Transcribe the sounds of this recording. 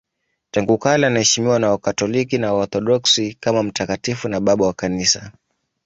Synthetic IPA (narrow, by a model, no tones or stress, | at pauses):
taŋɡukalianahɛʃimiwanaakatɔlikinaɔt̪ɔɗɔksikamam̩takatifunaɓaɓawakanisa